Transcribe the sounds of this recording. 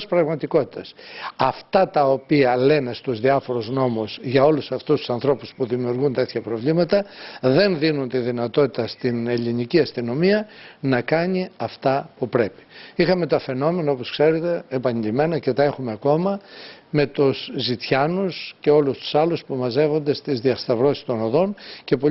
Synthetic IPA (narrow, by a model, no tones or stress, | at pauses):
spɾɐɣmɐt̪iko̞t̪i̥t̪ɐsɐft̪ɐt̪ɐo̞piɐle̞ne̞st̪uzðiɐfo̞ɾozno̞muzʝɐo̞lusɐft̪ust̪u̥sɐnθɾo̞puspuðimiuɾɣunt̪e̞t̪çɐpɾo̞vlimɐt̪ɐðe̞nðinunt̪iðinɐt̪o̞t̪it̪ɐst̪ine̞ʎiniciɐst̪ino̞miɐnɐkɐɲiɐft̪ɐpupɾe̞pi̥ixɐme̞t̪ɐfe̞no̞me̞noo̞poskse̞ɾe̞t̪e̞ːpɐɲiʎime̞nɐce̞t̪ɐe̞xume̞ɐko̞mɐme̞t̪uszit̪çɐnusce̞o̞lust̪u̥sɐluspumɐze̞vo̞nd̪e̞st̪izðiɐst̪ɐvɾo̞si̥st̪o̞noðo̞nce̞po